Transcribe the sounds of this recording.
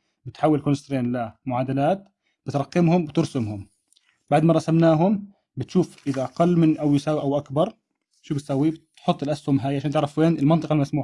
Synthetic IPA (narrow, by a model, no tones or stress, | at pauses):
bɪt̪ħawːɪlkonɪst̪ɾeːnlamʊʕaːd̪alaːt̪ | b̥ɪt̪ɾˤɑqːɪmhʊmbɪt̪ɪɾsɪmɦʊm | baʕd̪maɾˤɑsamnaːɦʊm | bɪt̪ʃuːfʔɪðaʔaqɑlːmɪnʔawɪsaːwiʔawʔakbɑɾˤ | ʃuːbɪt̪sawːibɪt̪ħʊt̪ˤːɪlʔashʊmɦaːjʕaʃaːnt̪ɪʕɾɑfweːnɪlmɑnt̪ˤɨqalmasmuːħa